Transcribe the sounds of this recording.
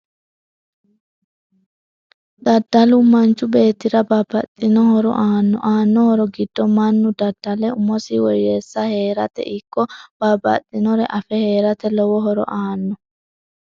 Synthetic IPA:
d̪̥ɐd̪ːɐlʊmɐnt͡ʃːʊbe̞ːt̪ːɪɾɐbabɐt̪ʼːɪnɔhɔɾɔ̰ʔaːnːɔ̰ʔaːnːɔhɔɾɔɡɪd̪̥ːɔmɐnːʊd̪ɐd̪̥ːɐlɛʊmɔsiwɔjeːsːɐhe̞ːɾɐt̪ɛ̰ʔɪkːɔb̥abɐ̰t̪ʼːɪnɔɾɛʔɐfɛhe̞ːɾɐt̪ɛlɔwɔɦɔɾɔ̰ʔaːnːɔ

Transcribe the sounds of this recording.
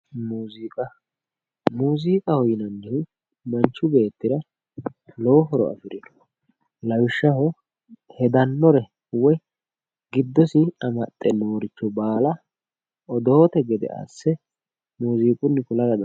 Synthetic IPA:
muːzikʼɐ | muːziːkʼɐhɔjɪnɐnːɪhʊ | mɐnt͡ʃːʊbe̞ːt̪ːɪɾɐ | lɔɔɦɔɾɔ̰ɐ̰fɪɾɪnɔ̥ | lɐwɪʃːɐɦɔ | hɛd̪ɐnːɔɾɛ | wɔ | ɡɪd̪ːɔsɪɐmɐt̪ʼːɛnoːɾɪt͡ʃːɔbaːlɐ | ɔd̪oːt̪ɛɡɛd̪ɛ̰ʔa̰ːsːɛ | muːziːkʼʊnːɪkʊlɐɾɐd̪

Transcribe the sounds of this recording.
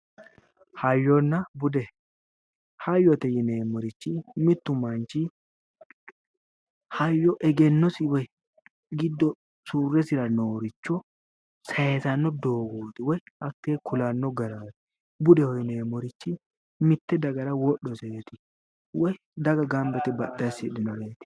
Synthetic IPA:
hɐjːɔnːɐbʊd̪ɛ | hɐjːɔt̪ɛjɛneːmːɔɾɪt͡ʃːɪmɪt̪ːʊmɐnt͡ʃɪ | hɐjːɔʔɛɡɛnːɔsɪwɔj | ɡɪd̪ːɔ | suːrːɛsɪɾɐnoːɾɪt͡ʃːɔ | sɐjtɐnːɔd̪o̞ːɡoːt̪ɪwɔjɐkːekʰʊlanːɔɡɐɾaːt̪ɪ̥ | bʊd̪ɛhɔjneːmɔɾɪt͡ʃːɪ | mɪt̪ːɛd̪ɐɡɐɾɐwɔɗːɔsɛjɛt̪ɪ | wɔj | d̪ɐɡɐɡɐmbɛt̪ɪbɐɗːɐsɪd̪ɪnɔɾeːt̪ɪ̥

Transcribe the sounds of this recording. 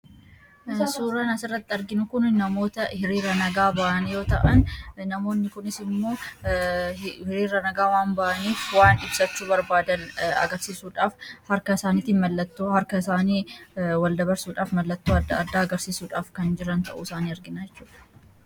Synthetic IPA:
suːɾɐnɐsɪrːɐt̪ːɪɐɾɡɪnʊkʊnnɐmo̞ːt̪ɐhɪɾiːɾɐnɐɡaːbɐʔɐnjo̞ːt̪ɐ̰ʔɐnːɐmo̞ːnːɪkʊnɪsɪmmːo̞ː | hɪɾiːɾːɐnɐɡaːwaːnbɐʔɐniːfwaːnɪbsɐt͡ʃːʊbɐɾbaːd̪ɐnɐ̰ɡɐɾsiːsuːᶑaːfhɐɾkɐɪsaːniːt̪iːnmɐlːɐt̪ːoːhɐɾkɐɪsaːniːwɐld̪ɐbɐɾsuːᶑaːfmɐlːɐt̪ːoːɐd̪ːɐɐd̪ːaːɡɐɾsiːsuːᶑaːfkɐnd͡ʒɪɾɐnt̪ɐ̰ʔṵːɪsaːniːɐɾɡɪnɐd͡ʒɛt͡ʃːuːᶑɐ̥

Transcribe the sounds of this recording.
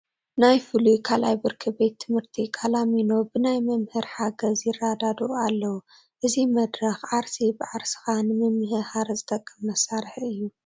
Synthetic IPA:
najfɨlukʰalajbɨɾkʰɨbe̞t̪ʰːɨmhɨɾt̪ʰikʰalamino̞bɨnajmɐmhɨɾħaɡɐzjɪrad̪ad̪ualːɐwu | ʔɨzimɐd̪ɾɐxʕaɾsibɨʕaɾsɨ̥xanɨmɐmhɨhaɾzɨt̪ʰʼɐkʼːɨmːɐsaɾħɨjːu

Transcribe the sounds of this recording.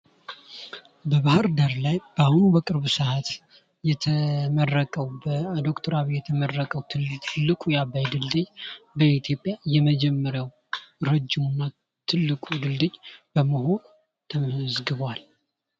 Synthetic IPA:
bəβahɨɾd̪aɾlajb̥ahunubəkʼɨɾβɨsɨhat̪ | jɛt̪ʰəmərːəkʼəwbəd̪o̞kt̪ʰoɾaβijɛt̪ʰəmərːəkʼəwt̪ʰɨlːɨkʼujabajd̪ɨld̪ɨɲbəit̪ʰjo̞pʼjajɛməd͡ʒɛmːəɾəw | ɾəd͡ʒːɪmunːa | t̪ʰɨlːɨkʼud̪ɨld̪ɨd͡ʒb̥əməɦo̞n | t̪ʰəmzɡɨβal

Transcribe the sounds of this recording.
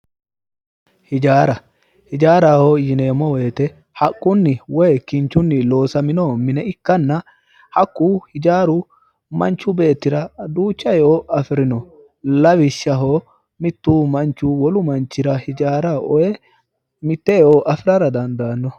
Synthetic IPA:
hɪd͡ʒaːɾɐ | hɪd͡ʒaːɾaːhoːjɪneːmːɔwɛːt̪ɛ | hɐkʼːʊnːɪwɔjɛkɪnt͡ʃːʊnːɪlo̞ːsɐmɪnoːmɪnɛɪkːɐnːɐ | hɐkːuːhɪd͡ʒaːɾʊ | mɐ̰nt͡ʃːʊbe̞ːt̪ːɪɾɐd̪uːt͡ʃːɐjɛoːʔɐfɪɾɪnɔ | lɐwɪʃːɐɦoː | mɪt̪ːuːmɐnt͡ʃːuːwɔlʊmɐnt͡ʃːɪɾɐhɪd͡ʒaːɾɐʔɔjɛ | mɪt̪ːɛjɛoːʔɐfɪɾɐɾɐd̪ɐnd̪aːnːɔ

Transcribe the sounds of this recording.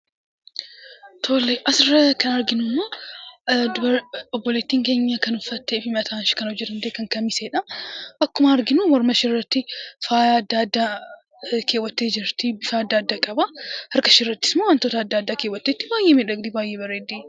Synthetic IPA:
t̪ʰoːlːeʔɐsɪɾɐkɐnɐɾɡɪnʊmːoː | ɔbːɔleːt̪ːiːŋke̞ːɲːɐkɐnʊfːɐt̪ːeːfɪmɐt̪ʰaːnʃɪ̥kɐnhɔd͡ʒːɛt̪ʊnd̪eːkɐŋkɐmːɪseːᶑɐʔɐkːʊmɐːɾɡɪnumɔɾmɐʃɪɪrːɐt̪ːɪfaːd̪ːad̪ːa | kʰe̞ːwːɐt̪ːe̞ːd͡ʒɪɾt̪ɪbɪfad̪ːaːd̪ːakʼɐbɐhɐɾkɐʃɪrːɐt̪ːɪ̥smoːwɐnt̪oːt̪ɐːd̪ːaːd̪ːaːkeːwɐt̪ːeːt̪ːɪbaːjʔeːmɛᶑɐɡd̪ibaːjːeːbɐɾeːd̪i

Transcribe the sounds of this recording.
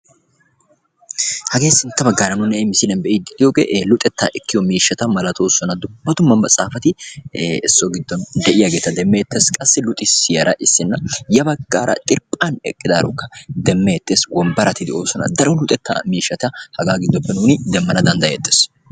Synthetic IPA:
hɐɡe̞ːsɪnt̪ːɐbɐɡːaːɾɐnʊnːɛmɪsɪlɛnbɛʔɪd̪ɪd̪ɪjoːɡḛːʔlʊt̪ʼɛt̪ːaːʔɛkːɪjɔmiːʃːɐt̪ɐmɐlɐt̪o̞ːsɔnɐd̪ʊb̥ːɐt̪ʊmːɐnbɐt͡sʼaːfɐt̪ɪɛsːɔɡɪd̪ːɔnd̪ɛʔɪjɐɡeːt̪ɐd̪ɛmːɛjɛt̪ːeːskʼɐsːɪlʊt̪ʼɪsɪjɐɾɐʔɪsːɪnːɐjɐbɐɡːaːɾɐ̰t̪ʼɪɾpʼɐnɛ̰kʼːɪd̪aːɾʊkːɐ̥d̪ɛmːɛjɛt̪ːeːswɔmbɐɾɐt̪ːɪd̪ɛʔoːsɔnɐ̰d̪ɐɾɔlʊt̪ʼɛt̪ʰːa̰ːmiːʃːɐt̪ɐhɐɡaːɡɪd̪ːɔpːɛnuːnɪd̪ɛmːɐnɐd̪ɐnd̪ɐjɛt̪ːeːs

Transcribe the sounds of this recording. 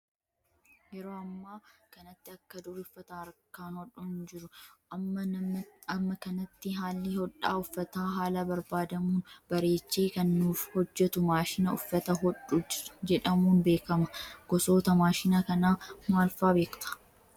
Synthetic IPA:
jɛɾoːɐmːaːkɐnɐt̪ːɪɐkːɐd̪ʊɾɪfːɐt̪aːɾkaːnhɔᶑʊnːʊd͡ʒɪɾʊʔɐmːɐɐmːɐkɐnɐt̪ːɪɦaːlːɪhɔᶑaːʊfːɐt̪aːɦaːlɐbɐɾbaːd̪ɐmuːnbɐɾe̞ːt͡ʃːeːkɐnːuːfhɔd͡ʒːɛt̪ʊmaːʃɪnɐʊfːɐt̪ɐɦɔᶑʊd͡ʒɛᶑɐmuːnbe̞ːkɐmɐɡ̥ɔso̞ːt̪ɐmaːʃɪnɐkɐnaːmaːlfaːbeːkt̪ɐ̥

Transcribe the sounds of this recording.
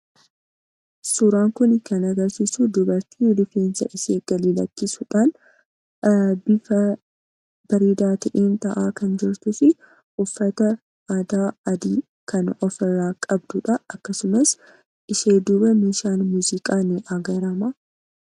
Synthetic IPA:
suɾaːŋkʊnɪkɐnɐɡɐɾsisud̪ʊbɐɾt̪ʰiːlʊfeːnsɐʔɪseːɡ̥ɐlilɐ̰kːɪsʊᶑaːn | bɪfɐ | b̥ɐɾiːd̪aːt̪ɐʔeːnt̪ɐʔaːkɐnd͡ʒɪɾt̪ʊsɪ | ʔʊfːɐt̪ɐ | ad̪aːɐd̪iː | kɐnɔfɛrːaːkʼɐbd̪ʊᶑɐɐkːɐsʊmɐs | ʔɪʃeːd̪ubɐmiːʃaːnmuːzɪkʼaːnɪʔɐɡɐɾɐmaː

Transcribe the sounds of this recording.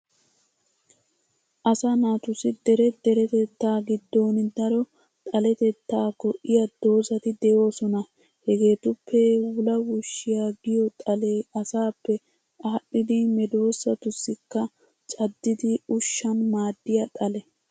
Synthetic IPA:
ʔɐsɐnaːt̪ʊsɪd̪ɛɾɛd̪ɛɾɛt̪ɛt̪ːaːɡɪd̪ːo̞ːnɪd̪ɐɾɔ | t̪ʼɐlɛt̪ɛt̪ːaːkɔʔɪjɐd̪̥o̞ːsɐt̪ɪd̪ɛjo̞ːsɔnɐ | hɛɡe̞ːt̪ʊpʰːɛwʊlɐwʊʃːɪjaɡɪjɔt̪ʼɐle̞ːɐsaːpːɛ | ɐpːɪd̪ɪmɛd̪o̞ːsːɐt̪ʊsːɪkːɐ | t͡ʃʼɐd̪ːɪd̪ɪʊʃːɐnmaːd̪ːɪjɐt̪ʼɐlɛ

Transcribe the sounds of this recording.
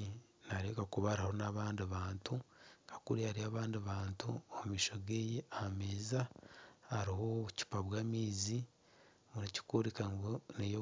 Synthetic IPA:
naɾekakuβaɾaho̞naβaːndiβaːntukʰḁkuɾihaɾiaːβaːndiβaːntṵomumiːʃo̞ɡejeameːzahːɾiɦoβuci̥paβwaːmiːzi | muɾici̥kuɾikaŋɡonejo

